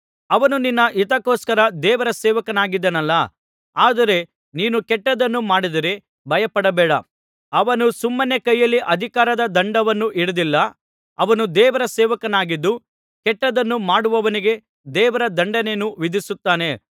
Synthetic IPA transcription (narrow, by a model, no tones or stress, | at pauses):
ɐʋɐnuninːɐʔit̪ɐkːoːskɐɾɐd̪ɛːʋɐɾɐsɛːʋɐkɐnaːɡid̪ːɐnɐlːɐ | aːd̪ɐɾe̞ | niːnukɛʈːɐd̪ɐnːumaːɽid̪ɐɾe̞ | bʱɐjɐpɐɽɐbɛːɽɐ̰ | ɐʋɐnusumːɐnekɐjːɐlːiʔɐd̪ʱikaːɾɐd̪ɐd̪ɐɳɖɐʋɐnːuʔiɽud̪ilːɐ | ɐʋɐnud̪ɛːʋɐɾɐsɛːʋɐkɐnaːɡid̪ːu | kɛʈːɐd̪ɐnːumaːɽuʋɐʋɐniɡe̞ | d̪ɛːʋɐɾɐd̪ɐɳɖɐnenuʋid̪ʱisut̪ːaːne̞